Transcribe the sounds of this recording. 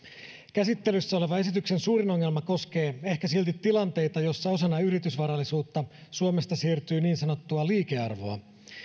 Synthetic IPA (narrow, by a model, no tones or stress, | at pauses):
kæsit̪ːe̞lysːæo̞leʋɑe̞sit̪ykse̞nsuːɾino̞ŋːe̞lmɑko̞ske̞ːe̞hkæsilt̪it̪ːilɑnt̪e̞jt̪ɑjo̞sːɑo̞sɑnːɑyɾit̪ysʋɑɾɑlːisuːt̪ːɑsuome̞st̪ɑsiːrt̪yːniːnsɑno̞t̪ːuɑliːkeɑrʋo̞ɑ̰